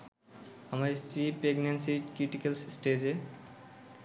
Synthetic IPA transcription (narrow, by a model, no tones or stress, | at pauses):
amaɾesɾipɾeɡnensikɾiʈikelssʈed͡ʑe